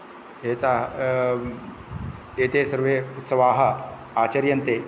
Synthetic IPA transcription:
ɦet̪a | et̪esəɾʋeut̪səʋaɦə | at͡ɕɐɾjɐnt̪e

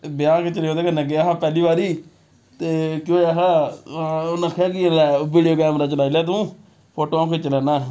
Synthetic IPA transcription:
bɪjãːket͡ʃəleoːd̪eːkənãːk̬eəɦãːpɛːliːbaːɾiː | t̪eːkjõːeɦaːaonãːkʰɛːɾɡĩlɛːʋiːɖijoːkɛːmɾaːt͡ʃəlaːilaːt̪̬ũː | pʰoːʈoːãːkeːt͡ʃəlɛːnaː

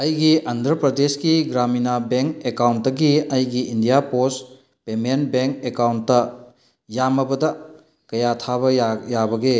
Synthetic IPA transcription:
ɐjɡiʔandʱɾɐpɾɐdeskiɡɾaminabeŋkekawntːɐɡiɐjɡiindijapos | pemenbeŋkekawntːɐ | jamɐbɐdɐ | kɐjatʰaβɐjabɐɡe

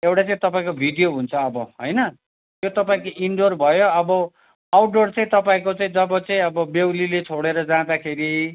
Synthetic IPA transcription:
ewʈat͡saĩt̪ʌpaĩkobʱiɖijoɦunt͡sʰʌːbʌɦʌ̰jnʌ | t̪jot̪ʌpaĩkoʔiɳɖorbʱʌjoʌbʌ | awʈ̚ɖort͡saĩt̪ʌpaĩkot͡saĩd͡zʌbʌt͡saĩʌbʌbewlilet͡sʰoɽeɾʌd͡zãd̪akʰeɾi

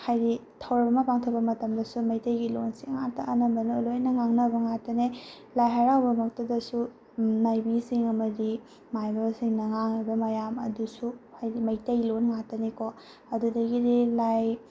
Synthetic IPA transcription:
hajɾitʰɐwɾɐmɐmɐpaŋtʰɐbɐmɐtɐmdɐsumɐjtɐjɡilonsiŋŋatɐʔːnɐmbɐnulonɐŋaŋnɐbɐŋatɐne | lajɦaɾawbɐmɐk̚tɐdɐsu | najbisiŋɐmɐdi | majbasiŋnɐŋaŋɐbɐmɐjamɐ̰dusuhajdimɐjtɐjlonŋatɐneko | ɐdudɐɡidilaj

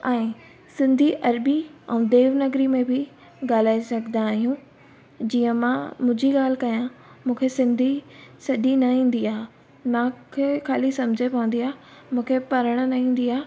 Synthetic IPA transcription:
ɛ̃ː | sɪ̃nd̪ʱiʔɐɾbiɛ̰̃ːd̪eːʋnɐɡɾimẽbɪ | ɠaːl̤aːisɐɡʱnd̪ãːɦijũ | d͡ʑiːə̃mãmũːd͡ʑiɠaːl̤ɪkɐjãmũːkʰesɪ̃nd̪ʱisɐʄinɐɦĩːn̆d̪iaː | mãkʰekʰaːlisɐ̃md͡ʑʱepɐʋə̃nd̪iaː | mũːkʰepɐɾəɽ̃nɐɦĩːn̆d̪iaː

